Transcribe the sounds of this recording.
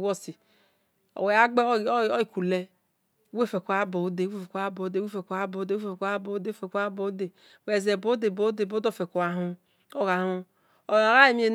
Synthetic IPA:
wo˦si˨ | o̰˨we˨a˦ɡ͡be˦˨o˦i˨ku˨le˦ | we˦˨fe˨ku˨˦a˦bo˨˦de˨˦we˦fe˨kʷa˦bo˨˦de˦e˦fe˨kʷa˦bo˨˦de˦e˦˨fka˦bo˨˦do˦fe˨ka˦bo˨˦de˨ | we˨ze˨bo˨˦de˨bo˨˦de˨bo˦do˦˨fe˨ko˨a˨ɦu˦ | o˦ɣa˨˦hu˦ | o˨a˨ɣa˦i˨mi˦e˨n

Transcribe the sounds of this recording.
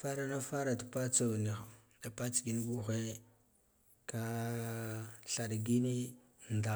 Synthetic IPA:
fa˦ɾa˨na˦fa˦ɾa˨ta˨pa˦t͡sa˨wni˨xa˨ | da˨pa˦t͡sɡi˦n˦bu˦xe˦ | ka˦ | ɬa˨ɗɡi˦ni˦ | nda˨

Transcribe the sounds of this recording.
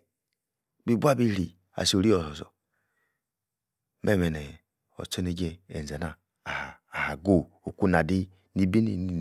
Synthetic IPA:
bi˦˨bʷa˦bi˦ɾi˨ | a̰˨so˨ɾi˦o˨so˨sɔ̰˨ | mʔe˦˨me˨ne˨ | o̰˨t͡ʃo˦ni˦d͡ʒe˦e˨ze˨na˨ | ha˨ha˨ɡo˦˨ | o˨ku˦na˨di˦ | ni˦bi˦ni˨

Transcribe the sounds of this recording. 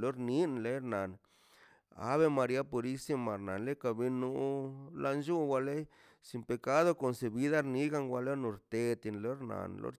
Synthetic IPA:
lo˦ɾni˦nle˦ɾna˨n | a̰˨˦βe˦ma˧ɾja˦po˧ɾi˦si˦ma˨ɾna˨nle˦ka˨bi˧nu˧la˧nd͡ʒu˦wa˧le˦ | si˧mpe˨˧ka˦d̪o˧ko˨nse˨bi˦d̪a˦ɾni˦ɡa˧ŋɡa˧lo˦no˧ɾt̪e˧t̪i˧nlo˦ɾna̰˨nlo̰˦ɾ

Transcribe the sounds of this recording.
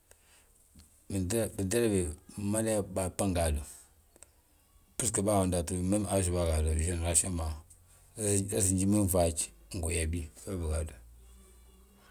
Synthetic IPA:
bi˨da˦ɾa˦be˨ma˦la˦ba˨pa˦ŋɡa˨du˨ | pi˦skə˨ba˦˨wa˨nda˨tu˨mə˦m˦a˨ʒu˨ba˦ɡa˨do˨ʒi˦n˨ɾa˨ʃi˦ma˨˦ | a˦zi˨nd͡ʒi˦mi˦m˨va˨t͡ʃi̥˨˦ŋ̩˨ɡo˨ja˨bi˦fa˦bə˨ɡa˨du˨

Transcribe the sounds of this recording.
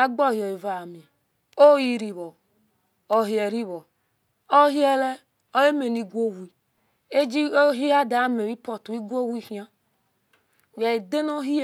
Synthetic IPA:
a˦ɡ͡bɔ˦˨hi˨ɛ˨i˨va˨mĩ˨a˨ | o˦ji˦ɾi˨βɔ˨ | o˨ɦi˨ɛ˨ɾi˦βɔ˨ | o˦ɦi˦ɛ˦lɛ˦ | ɔ˦je˦me˨ni˨ɡʷo˦˨wi˨ | e˦d͡ʒi˦ɦi˦a˦da˨˦me˨wi˦pɔ˨tu˨i˦ɡʷo˦wi˦hĩ˦a˦˨ | wja˨i˨de˦no˦ɦi˦

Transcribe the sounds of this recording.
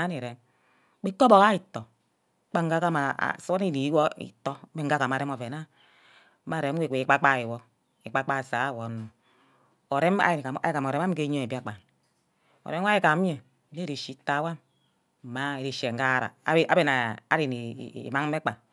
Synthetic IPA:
a˦ni˨ɾe˨˦m | k͡pi˦ko˦bo˨ka˦i˨tːo˨˦ | k͡pa˦ŋ˦ɡa˦ka˦ma̰˨so˦ni˦ni˨˦wo˦ḭ˨to˦e˦ŋ̩˦ɡa˦ka˨m˨a˨ɾe˦mo˨ve˨na˦ | ma˨ɾe˨˦m˦e˦˨ke˨i˨˦k͡pa˦k͡pa˦˨i˨wo˦ | i˨k͡pa˦k͡pa˦˨sa˨˦˨wo˨nu˨ | o˨ɾe˦ma̰˦˨a˨a̰˨˦ji˨ka˨m˨o˨ɾe˦a˦m˦ke˦ɲo˦e˨bi˦a˨k͡pa˨n | o̰˨ɾe˦a˦i˦˨ka˨˦m˦je˨˦ | e˦ɾi˨ʃi˦ta˦wa˦m˨ | ma˨i˨ɾi˨ʃe˨ŋ˨ɡa˦˨ɾa̰˨˦a˦be˨na˨a̰˨˦ɾi˨ni˨ḭ˨ma˦ŋ˦e˦k͡pa˨

